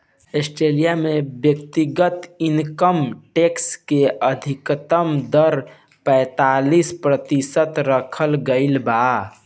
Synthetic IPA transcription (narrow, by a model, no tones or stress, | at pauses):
esʈɾelijamebjəkt̪iɡət̪inkəmʈekskeəd̪ʱikt̪əmd̪əɾ | pɛ̃ɪt̪alispɾət̪isət̪ɾəkʰəlɡəɪlba